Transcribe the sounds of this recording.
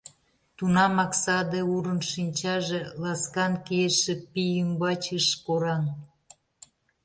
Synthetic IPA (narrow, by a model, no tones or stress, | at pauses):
t̪unɑmɑksɑd̪euɾənʃinʲt͡ɕɑʒelɑskɑnkieʃĕpijymbɑt͡ɕəʃkoɾɑn